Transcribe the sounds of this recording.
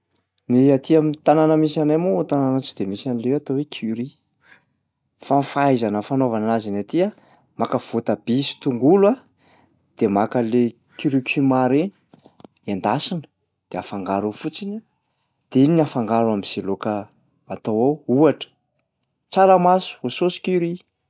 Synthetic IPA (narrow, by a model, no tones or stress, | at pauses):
niat̪iamint̪ananəmisanajmot̪ananət͡sid̪emisanilewat̪owekʰuɾi | fanfajzanəfanovanazinat̪ia | makəv̥ot̪ab̥isi̥t̪uŋɡula | d̪̥emakəle | kyɾikʲʰymaɾeni̥ | and̪asinə̥ | d̪̥eafaŋɡaɾufut͡sini | d̪̥einafaŋɡaɾamiz̥elokəː | t̪owawuaʈ͡ʂə̥ | t͡saɾəmasu̥ososi̥kuɾi